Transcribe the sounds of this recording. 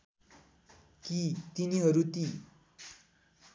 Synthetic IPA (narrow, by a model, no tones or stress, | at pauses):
kit̪iniɦʌɾut̪i